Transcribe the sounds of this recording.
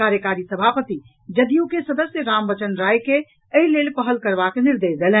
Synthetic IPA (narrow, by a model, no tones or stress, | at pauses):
kaɾjəkaɾisəbʱapət̪i | d͡ʒəd̪ijukesəd̪əsjəɾambət͡ʃənɾajke | əɦilelpəɦəlkəɾbakniɾd̪ed͡ʒɡelɛ